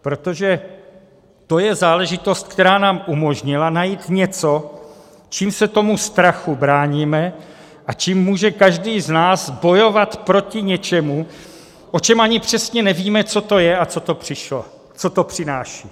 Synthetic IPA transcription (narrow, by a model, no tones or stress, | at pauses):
pɾo̞t̪o̞ʒɛ | t̪o̞jɛzaːlɛʒɪt̪o̞st̪̚kt̪ɛɾaːnaːmʔumo̞ʒɲɪlanajiːt̪ɲɛt͡so̞ | t͡ʃiːmsɛt̪o̞must̪ɾaxubɾaːɲiːmɛ | ʔat͡ʃiːmːuːʒɛkaʒdiːznaːzbo̞jo̞vat̪pɾo̞cɪɲɛt͡ʃɛmu | ʔo̞t͡ʃɛmʔaɲɪpr̝̥ɛsɲɛnɛviːmɛt͡so̞t̪o̞jɛʔat͡so̞t̪o̞pr̥ɪʃlo | t͡so̞t̪o̞pr̥ɪnaːʃiː